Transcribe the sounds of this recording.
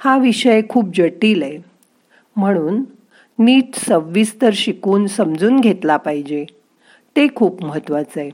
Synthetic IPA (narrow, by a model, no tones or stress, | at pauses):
haʋiɕəjkʰuːp̚d͡ʑəʈiːle | m̤əɽ̃uːnː | iːʈsəʋːiːst̪əɾɕikuːnsəmd͡zuːnɡʱet̪lapaɦid͡ʑe | t̪ekʰuːpməɦət̪ʋat͡səe